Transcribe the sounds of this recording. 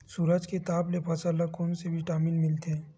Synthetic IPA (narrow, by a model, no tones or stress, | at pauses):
suːɾəd͡ʒket̪aːblepʰɐsəlakoːnsebʱiʈaːmiːnmɪlt̪eɦɛ̃